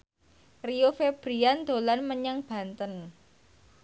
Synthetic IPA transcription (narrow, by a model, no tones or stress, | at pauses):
riofeb̥ɾiand̪̥o̤lanməɲaŋb̥a̤nt̪ən